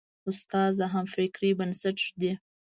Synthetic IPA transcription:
ʊst̪ɑzd̪aɦamfɾikɾibənsaʈd̪i

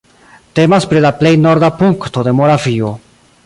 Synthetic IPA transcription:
t̪emaspɾelaplejnoɾdapuŋkt̪oðemoɣɾafio

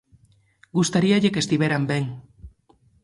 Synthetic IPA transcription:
ɡust̪aɾiaʎekest̪iβeɾambeŋ

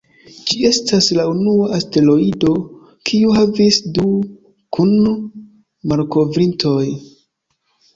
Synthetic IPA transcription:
d͡ʒie̞staslaunuaʔaste̞lo̞ido̞ | kʰiuhavisdu | kʰun | maɾko̞vɾinto̞j

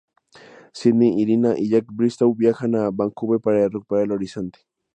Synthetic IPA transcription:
sid̪niʔːɾinaʔiʎakbɾist̪awbjaxanabaŋkubepaɾaaruk̚paɾeloɾisont̪i̥

